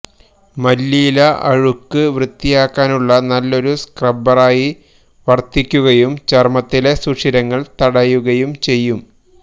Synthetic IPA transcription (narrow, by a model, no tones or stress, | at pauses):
mɐlːiːlɐʔɐɻukːɨʋrɨt̪ːijaːkːaːnuɭːɐnɐlːo̞ɾuskrɐbɐraːji | ʋɐrt̪ːikʲːuɣɐjumt͡ɕermɐt̪ːile̞sukʂiɾɐŋːɐɭt̪ɐɽɐjuɣɐjumt͡ɕe̞jːum